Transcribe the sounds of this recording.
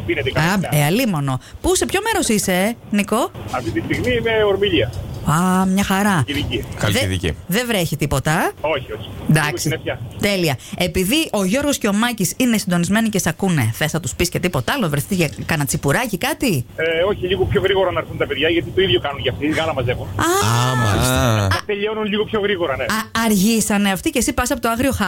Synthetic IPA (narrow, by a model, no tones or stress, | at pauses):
inet̪ikɐɐeɐlimo̞nopuse̞pço̞me̞ɾo̞sise̞niko̞ɐft̪it̪ist̪iɣmimeoɾmiʎiɐɐmɲɐxɐɾɐiðicikɐððḭcḭðevɾeçit̪ipo̞t̪ɐo̞çio̞çi̥nd̪ɐksiefçɐt̪e̞liɐe̞piðiʔo̞ʝo̞ɾɣo̞sceo̞mɐcisine̞sind̪o̞nizme̞nice̞sɐkune̞θesɐt̪uspiscet̪ipo̞t̪ɐɐlovɾeθit̪eʝɐkɐnɐt͡sipuɾɐcikɐt̪ieo̞çiʎiɣopço̞ɣɾiɣo̞ɾɐnɐɾθunt̪ɐpeðʝɐʝɐt̪it̪o̞iðʝokɐnunʝɐft̪iɣɐlɐmɐzexunɐmɐ̰list̪eʎonunliɣopço̞ɣɾiɣo̞ɾɐneɐɾʝisɐneɐft̪icesipɐsɐpot̪oɐɣɾio̞xɐ